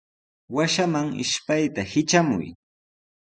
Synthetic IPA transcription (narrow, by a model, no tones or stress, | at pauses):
waʃamaŋɪ̰ʃpajt̪ahɪt͡ʃamʊ̰j